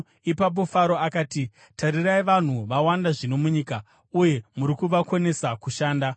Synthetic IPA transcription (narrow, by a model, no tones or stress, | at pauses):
ipap̬o̞faɾo̞akaːti | taɾiraiʋan̤uʋawandaʐino̞muɲiːka | uje̞muɾikuʋakone̞sakuʃaːnda